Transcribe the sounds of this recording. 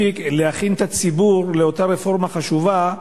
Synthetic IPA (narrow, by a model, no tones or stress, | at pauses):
ikleaχint̪at͡sibuʁle̞o̞taɾefo̞ʁmaχaʃuva